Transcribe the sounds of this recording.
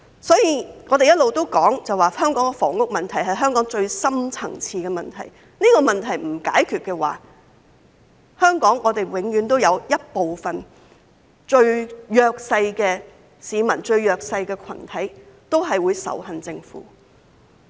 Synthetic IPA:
sɔː˨˥jiː˨˧ŋɔː˨˧te˨jɐ˥t̚lo˨wt̪o˥wkɔː˨˥ŋt͡sɐ˨waː˨hœː˥ŋkɔː˨˥ŋɛ˧fɔ̰ː˨˩ŋʊ˥k̚mɐ˨nt̪ʰɐ˨˩jɦɐ˨jɦœː˥ŋkɔː˨˥ŋt͡ʃɵ˧ɥsɐ˥mt͡sʰɐ˨˩ŋt͡sʰiː˧kɛː˧mɐ˨nt̪ʰɐ̰˨˩j | niː˥kɔː˧mɐ˨nt̪ʰɐ˨˩jm̩˨˩ka̰ː˨˥jkʰyː˨t̚kɛː˧wa̰ː˨ | hœː˥ŋkɔː˨˥ŋɔː˨˧t̪e˨jwɪ˨˥ŋjyː˨˧˥nt̪o˥wjɐ˨˧wjɐ˥t̚po˨wfɐ˨n | t͡ʃɵ˧ɥjœː˨k̚sɐ˧jkɛː˧ | siː˨˧mɐ˨˩nt͡ʃɵ˧ɥjœː˨˩k̚sɐ˧jkɛː˧kʰɐ̰˨˩nt̪ʰɐ˨˥jt̪o˥wɦɐ˨jwuː˨˧jsɐ̰˨˥wɦɐ˨nt͡sɪ˧ŋfṵː˨˥

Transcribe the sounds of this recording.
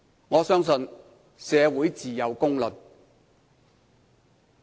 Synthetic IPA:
ŋɔː˨˧sœː˥ŋsɵ˧n | sɛː˨˧wuː˨˥jt͡siː˨jɐ˨˧wkʊ˥ŋlɵ˨n̚

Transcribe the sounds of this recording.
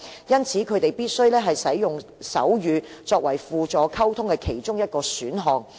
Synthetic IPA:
jɐ˥nt͡sʰiː˨˥kʰɵ˨˧ɥt̪e˨jpiː˥t̚sɵ˥ɥlɛː˥ɦɐ˨jsɐ˨˥jːʊ˨ŋsɐ̰˨˥wjyː˨˧t͡sɔː˧k̚wɐ˨˩jfuː˨t͡sɔː˨˥kʰɐ˥wt̪ʰʊ˥ŋkɛ˧kʰe˨˩jt͡ʃʊ˥ŋjɐ˥t̚kɔː˧syː˨˥nɦɔː˨ŋ

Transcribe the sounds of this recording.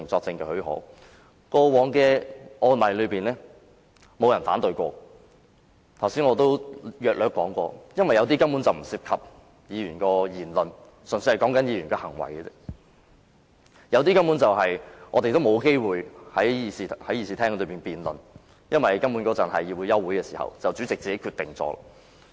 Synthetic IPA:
ŋt͡sɔː˧k̚t͡sɪ˧ŋkɛ˧hɵ˨˥ɦɔ̰ː˨˥ | kɔː˧wɔː˨˧ŋkɛː˧ɔː˧lɐ˨˩jlɵ˨˧ɥpiː˨˩nlɛː˥ | mo˨˧wjɐ˨˩nfaː˨˥nt̪ɵ˧ɥkʷɔ̰ː˧ | t̪ʰɐ˨˩wsiː˨˥ŋɔː˧t̪o˥wjœː˨k̚lœː˨˥kːɔː˨˥ŋkʷɔː˧jɐ˥nwɐ˨jɐ˨˧wt̪̬iː˥kɐ˥mpuː˨˥nt͡sɐ˨wm̩˨˩siː˧p̚kʰɐ˨p̚ | jiː˨˧ɥyː˨˩nkɔː˧jiː˨˩nlɵ˨n | sɵ˨˩nsɵ˧hɐ˨˩jkɔː˨˥ŋkɐ˥njiː˨˧ɥyː˨˩nkɛː˧hɐ˨˩ŋwɐ̰˨˩jɛ˥ | jɐ˨˧wt̪̬iː˥kɐ˥mpuː˨˥nt͡sɐ˨wɦɐ˨jŋɔː˨˧t̪e˨jt̪o˥wmo˨˧wke˥jwuː˨˩jhɐ˨˥jjiː˨˧siː˨hɐ˨˥jiː˧siː˨t̪ʰɛː˥ŋlɵ˧ɥpiː˨˩npiː˨nlɵ̰˨n | jɐ˥nwɐ˨jkɐ˥mpu˨˥nkɔ˨˥t͡sɐ˨˩nhɐ˨jiː˨p̚wu˨˧jɐ˥wuː˨˥jkɛː˧siː˨˩hɐ̰˨wt͡sɐ˨wt͡syː˨˥t͡sɪ˨k̚t͡siː˨ke˨˥kʰyː˧t̪ɪ˨ŋt͡sɔ̰ː˧la̰˧˩

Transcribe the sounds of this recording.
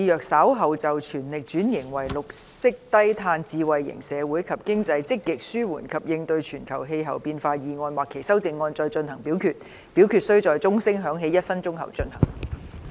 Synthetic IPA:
iː˧jœː˨k̚saː˨˥wɦɐ˨wt͡sɐ˨wt͡ʃʰyː˨˩nlɪ˨k̚t͡ʃyː˨˥njɪ˨˩ŋwɐ˨˩jlʊ˨k̚sɪ˥k̚t̪ɐ˥jt̪ʰaː˧nt͡siː˧wɐ˨jːɪ̰˨˩ŋsɛː˨˧wuː˨˥jkʰɐ˨p̚kɪ˥ŋt͡sɐ˧jt͡sɪ˥kːɪ˨k̚syː˥wuː˨˩nkʰɐ˨p̚jɪ˧ŋt̪ɵ˧ɥt͡ʃʰyː˨˩nkʰɐ˨˩wɦe˧jɦɐ˨˩wpiː˧nfaː˧jiː˨ŋɔː˧nwaː˨kʰːe˨˩jsɐ˥wt͡sɪ˨ŋːɔː˧nt͡ʃɔː˧jt͡ʃɵ˧nɦɐ˨˩ŋpiː˨˥wkʰyː˨˧t̚ | piː˨˥wkʰyː˨t̚sɵ˥t͡sɔː˨˧jt͡sʊ˥ŋsɪ˥ŋɦœː˨˥ŋɦe˨˥jɐ˥t̚fɐ˥nt͡ʃʊ˥ŋɦɐ̰˨˩wt͡ʃɵ˧nhɐ̰˨˩ŋ

